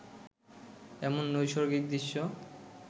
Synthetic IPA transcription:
ɛmonːojʃoɾɡik̚d̪iʃːo

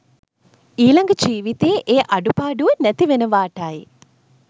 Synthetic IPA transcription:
iːlɐŋɡɐd͡ʒiːʋit̪eːʔeːʔɐɖupaːɖuenɛt̪iʋenəʋaːʈaːji

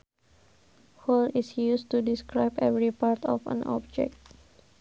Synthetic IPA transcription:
holisjustudiskɾaɪbɛvɾipart̪ɔ̰fə̰̃nʔɔ̰b̚d͡ʒɛ̰k̚t̪̚

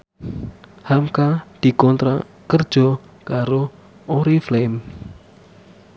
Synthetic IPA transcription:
hamkad̪̥i̤kɔnt̪ɾa | kərd̥ʒ̥ɔ | kaɾo | oɾiflem

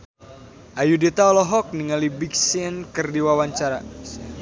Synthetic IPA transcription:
ʔajudet̪aɔlɔɦɔk̚niŋalibiksinkərdiwawaɲt͡ʃaɾa̰

